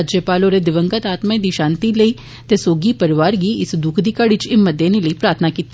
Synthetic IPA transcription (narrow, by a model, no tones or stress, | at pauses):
d͡ʒəpaːloːɾeːd̪ɪʋə̃ŋɡət̪aːt̪maẽd̪iːʃãːnt̪iːləiː | t̪eːsoːɡiːpəɾɪʋaːɾɡiːɪsd̪ʊkʰd̪iːkəɽɪt͡ʃɪməd̪jẽːneləiːpɾaːt̪ʰnaːkiːt̪ː